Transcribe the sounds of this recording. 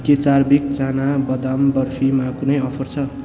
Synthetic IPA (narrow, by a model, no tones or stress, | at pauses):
ket͡sarbik̚d͡zanabʌd̪ambʌrpʰimakunʌjʌpʰʌrt͡sʰʌ